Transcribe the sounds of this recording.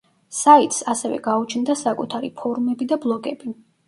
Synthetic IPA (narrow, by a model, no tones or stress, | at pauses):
sait̪ʼsasɛvɛ̰ɡaut͡ʃʰnd̪asakʼut̪ʰaɾipʰɔɾumɛbid̪ablˠɔɡɛbi